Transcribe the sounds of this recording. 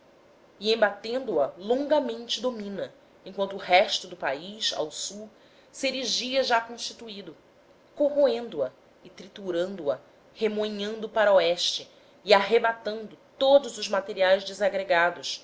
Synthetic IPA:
ɪẽmbat̪ẽnd̪ʊɐlõŋɡɐmẽnt͡ʃɪd̪omĩnɐ | ẽkwɐ̃nt̪ʊːɦɛʃt̪ʊd̪ʊpaiʃa̰wsuw | seɾiʒiɐʒakõʃt͡ʃi̥t̪uid̪ʊ | koɦoẽnd̪ʊɐ | ɪt̪ɾit̪uɾɐ̃nd̪ʊɐ | hemoɲɐ̃nd̪ʊpaɾɐoɛʃt͡ʃɪː | aɦebat̪ɐ̃nd̪ʊt̪od̪ʊzʊzmat̪eɾiajzd͡ʒɪzaɡɾeɡad̪ʊs

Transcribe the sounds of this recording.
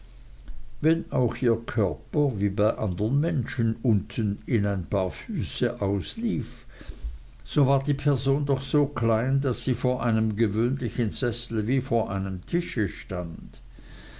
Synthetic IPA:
vɛnaʊxʔiːɐkʰœɐpɐviːbaɪʔandəʁənmɛnʃənʊntʰənɪnaɪnpʰaːɐfyːsəʔaʊsliːf | z̥ovaːɐdiːpʰɛɐzoːndɔχz̥oːkʰlaɪndasːiːfoːɐʔaɪnəmɡəvøːnlɪçənz̥ɛsl̩viːfoːɐʔaɪnəmtʰɪʃəʃtant

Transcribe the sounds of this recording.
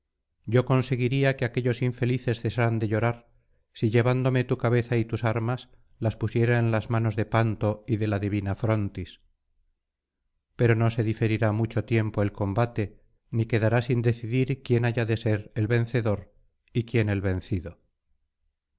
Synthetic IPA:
ɟ͡ʝo̞ko̞nse̞ɣiɾiakeake̞ʎo̞siɱfe̞liθe̞sθe̞saɾand̪e̞ʎo̞ɾaɾ | siʎe̞βand̪o̞me̞t̪ukaβ̞e̞θait̪usaɾmas | laspusje̞ɾaenlazmano̞zðe̞pant̪o̞iðe̞laðiβ̞inafɾo̞nt̪is | pe̞ɾo̞no̞se̞ðife̞ɾiɾamut͡ʃo̞t̪je̞mpo̞e̞lko̞mbat̪e̞ | nike̞ðaɾasind̪e̞θiðiɾkje̞naʝaðe̞se̞ɾelβe̞nθe̞ðo̞ɾ | ikje̞ne̞lβe̞n̟θiðo̞

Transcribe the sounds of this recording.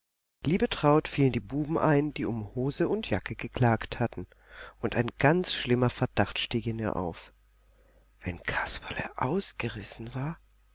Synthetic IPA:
liːbətʁ̥aʊtfiːləndiːbuːbm̩ʔaɪnd̥iːʊmhoːzəʊntjakəɡ̥əkʰl̥aːkthatn̩ | ʔʊntaɪnɡ̥ant͡sʃlɪmɐfɛɐd̥aχtʃtiːkɪniːɐʔa̰ʊf | v̥ɛnkʰḁspʰḁlɛ̰ʔa̰ʊsɡ̥əʁɪsn̩vaːɐ

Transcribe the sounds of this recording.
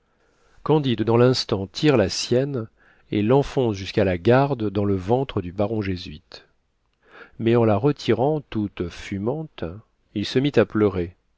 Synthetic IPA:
kɑ̃d̪id̪ːɑ̃lɛ̃st̪ɑ̃t̪ʰiʁlasjɛn | elːɑ̃fɔ̃sʒyskalaɡaʁd̪d̪ɑ̃ləvɑ̃t̪χəd̪ybaʁɔ̃ʒezɥit̪ | mɛɑ̃laʁət̪ʰiʁɑ̃t̪ut̪fymɑ̃t̪ | ilsəmit̪aplœʁe

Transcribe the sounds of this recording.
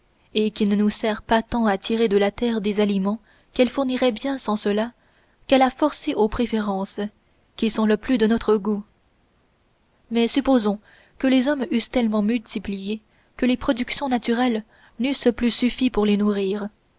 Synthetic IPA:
ekʲinənusɛʁpat̪ɑ̃at̪ʰiʁed̪əlat̪ɛʁd̪ezalimɑ̃ | kɛlfuʁniʁɛbjɛ̃sɑ̃səla | kɛlafɔʁseʔopχefeʁɑ̃ːs | kʲisɔ̃ləplyd̪ənɔt̪χəɡu | mɛsypozɔ̃ | kəlezɔmyst̪ɛlmɑ̃mylt̪iplije | kəlepχɔd̪yksjɔ̃nat̪yʁɛl | nysplysyfipuʁlenuʁiːʁ

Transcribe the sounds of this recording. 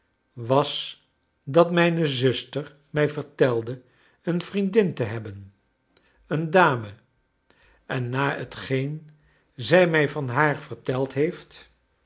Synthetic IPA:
ʋɑs | dɑtmɛjnəzɵstəɹ | mɛjvəɹtɛlˠdə | ənvrindɪntəɦɛbən | əndaːmə | ʔɛnːaːətχejn | zɛjmɛjvɑnɦaːɹv̥əɹtɛlˠtɦejft

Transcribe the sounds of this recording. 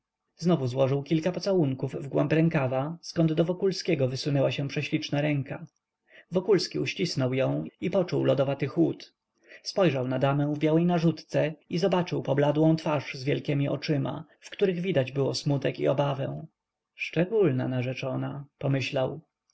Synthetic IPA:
znɔvuzwɔʐɘwkʲilkapɔt̪sawuŋkuvvɡwɛmpɾɛŋkavaskɔnd̪d̪ɔvɔkulskʲɛɡɔvɘsunɛwaɕɛ̃pʂɛɕlʲit͡ʂnaɾɛŋka | vɔkulskʲiuɕt͡ɕisnɔwjɔ̃w̃ipɔt͡ʂuwlɔd̪ɔvat̪ɘxwut̪ | spɔjʐawnad̪amɛ̃w̃vbʲjawɛjnaʐut̪t̪sɛizɔbat͡ʂɘwpɔblad̪wɔ̃w̃t̪faʂzvʲjɛlkʲɛmʲiʔɔ̰t͡ʂɘma̰ | fkt̪uɾɘɣvʲid̪ad͡ʑbɘwɔsmut̪ɛkḭɔbavɛ̃w̃ | ʂt͡ʂɛɡulna̰naʐɛt͡ʂɔnapɔmɘɕlaw

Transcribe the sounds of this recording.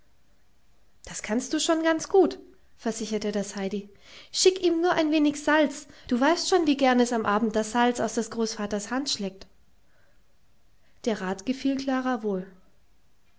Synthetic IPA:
d̥askʰanstd̥uːʃoːnɡant͡sɡ̥uːt | fɛɐzɪçɐtədashaɪdi | ʃɪkʔiːmnuːɐʔaɪnveːnɪçz̥alt͡sd̥uːvaɪstʃoːnviːɡɛɐnɛsamʔaːbm̩t̚d̥asz̥alt͡sa̰ʊsd̥ɛsɡ̥ʁoːsfaːtɐshantʃlɛːk̚t | d̥eːɐʁaːtɡ̥əfiːlkʰl̥aːʁavoːl

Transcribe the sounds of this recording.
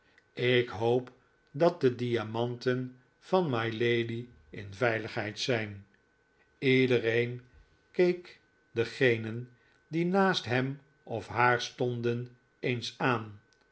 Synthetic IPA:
ɪkɦowp | dɑt̚dədiamɑntən | v̥ɑnmɑjlejdi | ɪ̰nvɛjləχɦɛjtsɛjn | idəɾejn | kejk | dəχejnən | dinaːstɦɛm | ɔfɦaːɹstɔndən | ejnsaːn

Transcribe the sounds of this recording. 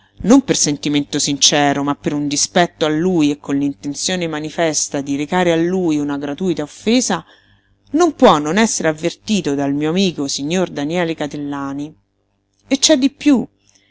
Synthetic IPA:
nompersent̪iment̪osint͡ʃɛːɾomapːeɾund̪ispɛt̪ːoalːuːjekːonlint̪ent̪sjoːnemanifɛst̪ad̪iɾekaːɾealːuːjunaɡɾat̪uːjt̪aofːeːza | nompwɔnːonɛsːeɾeavːert̪iːt̪od̪almiːoamiːkosiɲːord̪anjɛːlekat̪elːaːni | et͡ʃːɛd̪ːipju

